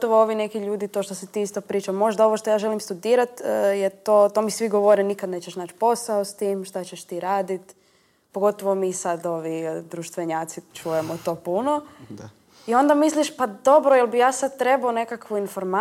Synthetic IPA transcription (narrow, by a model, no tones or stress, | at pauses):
oʋooʋinekiʎuːd̪it̪oʃt̪osit̪iːist̪opɾiːt͡ʃamo̞ʒd̪ao̞ʋoʃt̪ojaːʒe̞limst̪ud̪iːɾat̪ːjet̪oːt̪omisʋiɡoʋoɾenikad̪neːt͡ɕeʃnaːt͡ʃpo̞saost̪iːmʃt̪at͡ɕeʃt̪iːɾaːd̪it̪ | poɡo̞t̪oʋo̞miːsad̪o̞ʋid̪ɾuʃt̪ʋeɲaːt̪sit͡ʃuːjemot̪o̞ːpuno̞ | io̞nd̪amisliʃpad̪o̞bɾojelˠbijaːsad̪̚t̪ɾe̞baone̞kakʋuinfoɾma